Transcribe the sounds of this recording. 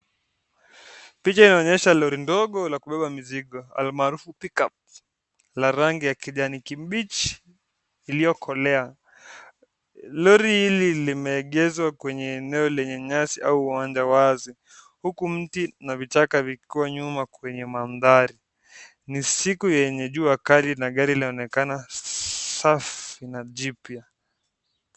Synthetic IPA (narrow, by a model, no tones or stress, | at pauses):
pit͡ʃainaɔɲɛʃalɔɾindɔɠɔlakuɓɛɓamiziɠɔa̰lmaːɾufupikap̚ | laɾaŋɡijakiʄanikimɓit͡ʃi̥ː | lijɔkʰɔlɛa | lɔɾihililimɛːɠɛzwakwɛɲɛːnɛɔlɛɲɛɲasiʔauuwaɲd͡ʒawazi | hukum̩tinavitakavikiwaɲumakwɛɲɛmanðaɾi | nisikujɛɲɛʄuːakalinaɠaɾilaɔnɛkana | safinaʄipja